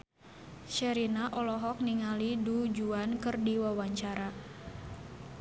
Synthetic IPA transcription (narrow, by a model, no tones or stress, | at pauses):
ʃəɾinaʔɔlɔɦɔk̚niŋalidud͡ʒuankɨrdiwawaɲt͡ʃaɾa